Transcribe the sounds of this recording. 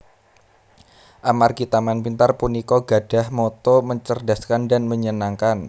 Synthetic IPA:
ʔamarɡit̪amanpint̪arpunikɔɡad̥a̤hmɔt̪ɔməɲt͡ʃərdaskandanməɲənaŋkan

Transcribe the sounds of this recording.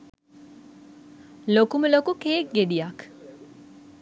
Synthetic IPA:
lokuməlokukeːk̚ɡeɖijak

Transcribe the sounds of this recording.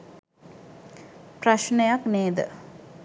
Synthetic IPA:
praʃnejakneːd̪ə̰

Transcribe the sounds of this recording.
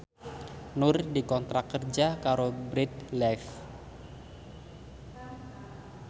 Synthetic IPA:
nʊrdikɔnt̪ɾakərd͡ʒakaɾobɾɪt̪̚lɛf

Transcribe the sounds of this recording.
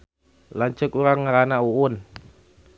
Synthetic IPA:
laɲt͡ʃəkuɾaŋːaɾanaʔuwʊn

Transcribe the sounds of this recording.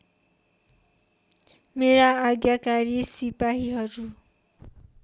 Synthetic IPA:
meɾaːɡjakaɾisipaɦiɦʌɾu

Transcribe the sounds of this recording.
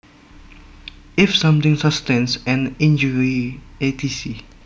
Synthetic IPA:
ʔɪfsãmt̪ɪ̃ŋsapst̪ɛ̃nsɛ̃nɪ̃nd͡ʒɔɹiet̪ʰisi

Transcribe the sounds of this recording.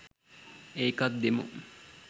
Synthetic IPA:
eːkat̪̚d̪emṵ

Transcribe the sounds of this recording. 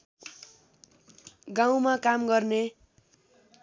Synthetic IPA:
ɡaw̃makamɡʌrne

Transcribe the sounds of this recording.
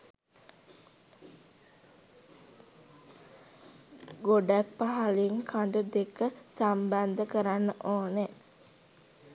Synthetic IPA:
ɡoɖak̚paɦaliŋkʰand̪ud̪ekəsamband̪əkəɾanːəʔoːne

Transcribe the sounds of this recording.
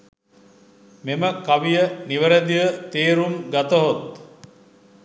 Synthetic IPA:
meməkaʋijəniʋəɾəd̪iʋət̪eːɾumɡat̪əɦot̪

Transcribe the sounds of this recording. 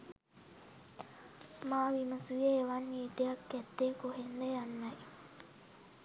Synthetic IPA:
maːʋimɐsujeːʋanːiːt̪ejɐkːɛt̪ːeːkoɦend̪ɐjanːɐj

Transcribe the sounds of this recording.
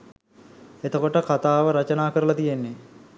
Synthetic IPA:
et̪əkoʈəkat̪aːʋəɾat͡ʃənaːkəɾəlat̪ijenːe

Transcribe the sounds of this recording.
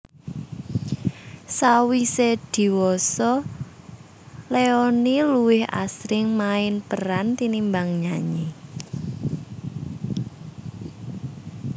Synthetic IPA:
sawised̪̥i̤wɔsɔ | leɔniluwɪha̰sɾɪŋmaɪnpəɾant̪inimbaŋɲaɲe

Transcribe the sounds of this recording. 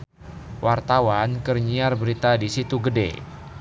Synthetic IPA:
wʔart̪awankərɲiarbəɾit̪adisit̪uɡədḛ

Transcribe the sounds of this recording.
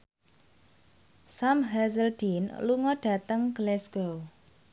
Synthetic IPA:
samɦazəld̥inluŋɔɖ̥a̤t̪əŋɡlɛsɡow

